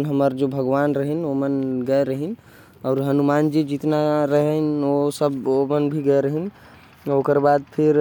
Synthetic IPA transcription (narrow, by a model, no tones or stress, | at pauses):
nɦəməɾd͡ʒobʱəɡʋanɾəɦənomənɡəeɾəɦin | ɔːɾɦənumand͡ʒed͡ʒit̪naɾəɦənosəbomənbʱiɡəeɾəɦin | okəɾbad̪̚pʰiɾ